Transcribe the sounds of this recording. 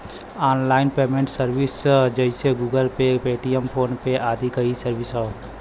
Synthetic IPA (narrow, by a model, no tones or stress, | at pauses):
aːnlaːɪnpeːmẽɳʈsəɾʋɪsd͡ʒəɪseɡuːɡəlpepeːʈijəmpʰoːnpeʔaːd̪ʱikɐisəɾʋɪsɦo